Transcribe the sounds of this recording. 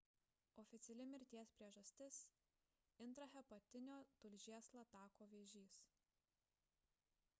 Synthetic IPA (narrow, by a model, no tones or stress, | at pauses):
ɔːfʲɪt̪sʲɛlʲɪmʲɪɾʲt̪ʲiɛspʲɾʲiɛʒɐsʲt̪ʲɪs | ɪnˑt̪ɾɐhʲɛpɐt̪ʲɪnʲoːt̪ʊlʲʒʲiɛslˠɐt̪ɑːkoːʋʲeːʒʲiːs